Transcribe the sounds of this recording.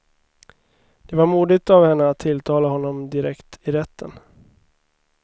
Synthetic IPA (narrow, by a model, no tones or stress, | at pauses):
d̪̥ɛvaɾmuːd̪ɪt̪avhɛnːəat̪ʰːɪlt̪ʰɑːlaɦɔnːɔmd̪ɪɾɛkt̪ɪɾɛt̪ʰːən